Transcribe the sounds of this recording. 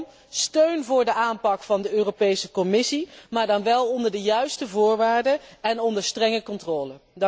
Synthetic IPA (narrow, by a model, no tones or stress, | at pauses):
støɥnvʊːɹdəʔaːnpɑkfɑndəøːropejsəkɔmɪsimaːɹdɑnʋɛlˠɔndəɹdəjœɥstəvʊːɹʋaːɹdəɛnɔndəɹstrɛŋəkɔntrɔːləd